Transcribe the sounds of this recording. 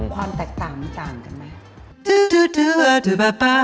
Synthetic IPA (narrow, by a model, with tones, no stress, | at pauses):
kʰwaː˧mt̪ɛː˨˩k̚t̪aː˨˩ŋma˧t̪aː˨˩ŋka˧nma˦˥ | dɯ˧˦dɯ˧dɯ˧a˧dɯ˨˩ba˧pa˦